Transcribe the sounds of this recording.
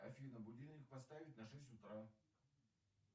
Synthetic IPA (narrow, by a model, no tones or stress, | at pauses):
ɐ̰fʲinəbʊdʲilʲˠnʲɪk̚pɐst̪avʲɪtʲnɐʂɛsʲtʲʊt̪ɾa